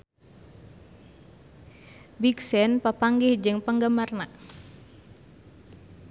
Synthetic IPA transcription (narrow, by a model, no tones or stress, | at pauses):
biksɛnpapaŋɡɪhd͡ʒɨŋpəŋɡamarna